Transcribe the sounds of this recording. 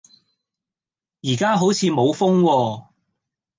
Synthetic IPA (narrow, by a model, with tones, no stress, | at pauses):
jiː˨˩kaː˥ɦo˨˥wt͡sʰiː˨˧mo˨˧wfʊ˥ŋwɔː˧